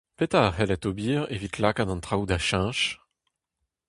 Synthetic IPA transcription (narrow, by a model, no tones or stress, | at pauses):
pet̪aʁɛlɛt̪obiːʁevit̪ʰlakad̪ɑ̃nt̪χawd̪aʃɛ̃ʃ